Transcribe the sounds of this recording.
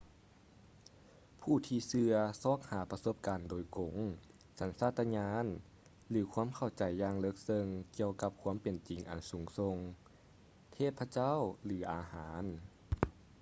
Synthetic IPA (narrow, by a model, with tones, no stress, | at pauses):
pʰuː˧˩t̪ʰiː˧sɯ˧ɐsɔː˧˩k̚haː˨˩˦pa˧so˧˥p̚kaː˨ndoː˨˩jko˨˦ŋ | sa˨˦nsaː˧˩t̪ʰːa˧ɲaː˧˥n | lɯː˨˩˦kʰu˧˥ə˨mkʰa˧˩wt͡ɕa˨˩jːaː˧ŋlɤ˧˥k̚sɤ˧ŋki˧əwka˧˥p̚kʰuː˧˥˨mpe˨˩nt͡ɕi˨ŋʔa̰˨˩nsuː˨˦ŋso˧ŋ | t̪ʰeː˧˥˩t̪̚pʰa˧t͡ɕa˥˨wlɯː˩˦ʔaː˨˩haː˩˦n